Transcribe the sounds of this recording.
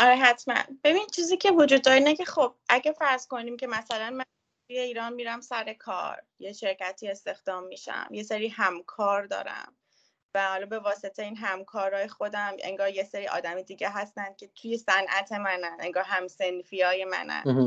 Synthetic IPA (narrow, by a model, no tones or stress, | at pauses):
ʔɒɾeɦæt̪ʰmæ̰nb̥e̞bini̥t͡ʃʰiːziːcʰe̞vod͡ʒud̪̚ːɒːɾinecʰe̞xob̥̚ʔæɟæfæɾz̥ko̞niːmcʰe̞mæsælænmæn | t̪ʰujeiːɾɒːnmiːɾæmsæɾe̞kʰɒ̰ːɾ | jeʃe̞ɾcæt̪ʰiːe̞st̪e̞xd̪̥ɒːmːiʃæ̰mje̞seɾiːhæmkʰɒːɾd̪ɒ̰ːɾæ̰m | væhɒːlɒːbe̞vɒːset̪ʰejiːnɦæmkʰɒːɾɒːjexo̞d̪æmḛŋɡɒːɾje̞seɾiːɒ̰ːd̪æmid̪iːɟeɦæst̪ænd̪̥̚kʰe̞t̪ʰuje̞sænʔæt̪ʰe̞mænæne̞ŋɡɒːɾɦæmsenfijɒːje̞mæ̰næ̰n